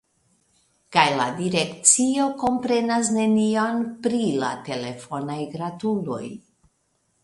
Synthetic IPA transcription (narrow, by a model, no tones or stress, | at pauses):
kajladiɾe̞kt͡sio̞ko̞mpɾe̞nas̬ne̞nionpɾila̰te̞le̞fo̞najɡɾatulo̞̰j